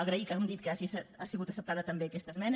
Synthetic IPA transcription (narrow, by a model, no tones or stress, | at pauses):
əɣɾəikamd̪it̪̚kəaʒisasiɣut̪əsəp̚t̪aðət̪əmbeːkɛst̪əzmɛn